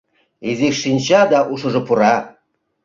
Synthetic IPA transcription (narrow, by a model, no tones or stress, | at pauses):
ezikʃinʲɕɑd̪ɑʔuʃɤ̆ʐɤ̆puɾɑ